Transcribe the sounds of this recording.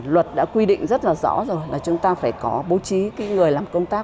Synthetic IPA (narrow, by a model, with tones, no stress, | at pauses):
lwə˨˩t̚ɗa̰ː˧˥kwi˧ɗḭ̈˧˨ŋ̟zə˦˥t̚laː˨˩zɔ̰˧˥zo˨˩jlaː˨˩t͡ɕʊ˨˦ŋ͡mt̪aː˧faː˧˩jkɔ˨˦ɓo˨˦t͡ɕi˨˦kaː˨˦ŋɨ˨˩əjlaː˨˩mkə˧wŋ͡mt̪aː˦˥k̚